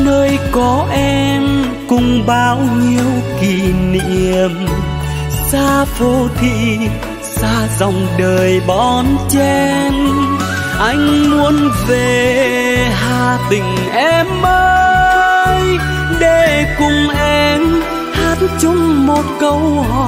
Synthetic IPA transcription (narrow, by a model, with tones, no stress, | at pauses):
nəː˧jkɔ˨˦ʔɛ˧m | kʊ˨˧˩ŋ͡mɓaː˧wɲi˧əwki˧˨˩nḭ˧əm | saː˧fo˧˩t̪ʰḭ˧˨ | saː˧zɔ˨˩wŋ͡mɗəː˨˩jɓɔ˧˩nt͡ɕɛ˧n | ʔa˧jŋ̟mu˨˧ənve˨˩ | ɦaː˧t̪ï˨˩ŋ̟ʔɛ˧mʔəː | j | ɗe˧˩kʊ˨˧˩ŋ͡mʔɛ˧m | haː˨˥nt͡ɕʊ˨˧˦ŋ͡mmo˨˩t̚kə˧wɦɔ˧˨